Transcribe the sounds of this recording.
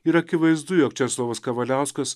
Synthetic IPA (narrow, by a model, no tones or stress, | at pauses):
iɾɐkʲɪʋɐɪzd̪ʊjoːkt͡ʃʲɛslˠoːʋoskɐʋɐlʲæˑʊskɐs